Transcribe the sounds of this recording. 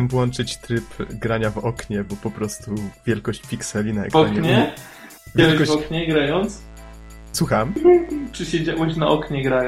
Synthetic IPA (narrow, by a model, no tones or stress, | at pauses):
ɛmvwɔnt͡ʂɘt͡ɕt̪ɾɘpɡɾaɲavɔkɲɛbɔpɔpɾɔst̪uvʲjɛlkɔɕt͡ɕpʲiksɛlʲinaɛ̰kɔakmʲeɲɛ | vʲaɛlɛkɔɕɔkɲɛɡɾajɔnt̪s | swuxampʂɨɕed͡ʑawɛɕnaʔɔkɲɛɡɾaj